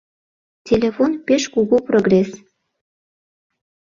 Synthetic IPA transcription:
tʲelʲefonpeʃkuɣuproɡres

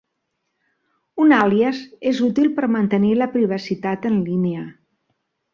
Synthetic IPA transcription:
unaliəzezut̪ilˠpəɾmənt̪əniləpɾiβ̞əsit̪at̪ənlineə

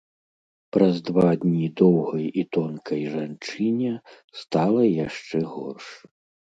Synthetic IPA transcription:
pɾɐzd̪vad̪ʲnʲid̪ɔwɣɐjit̪ɔnkʰɐjʐant͡ʂɨnʲɛ | st̪alˠɐjaʂt͡ʂɛɣɔ̰rʂ

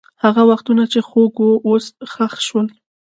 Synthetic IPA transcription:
haɣawaxt̪unat͡ʃexoɡoʔosxaxʃwəl

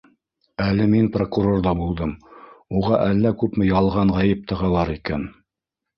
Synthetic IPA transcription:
ælɘminprokuɾo̞rd̪ɑbulˠd̪ɤmuʁɑʔælːækʉpmɘjɑlˠʁɑɴʁɑjɘp̚t̪ɤ̆ʁɑlˠɑɾikæn

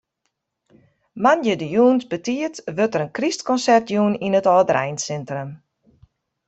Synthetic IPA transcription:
manjədəjuːnsbətiətʋøtəɾənkristkɔnsɛrtjuːninətɔːdəɾɛjnsɛntrəm

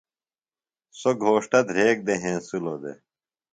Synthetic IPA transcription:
soɡʱoːʂʈɐd̪ʱɾeːk̚d̪eɦẽːsulod̪ḛ

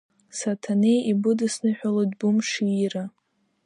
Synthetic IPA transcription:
satʰanejibʊdɨsnɨħʷᶣalodbumʂiːra

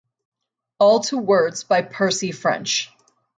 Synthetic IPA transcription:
ɔlˠtʰuwɜ˞dzbaɪpʰɜ˞sifɹɛ̰̃nt͡ʃ

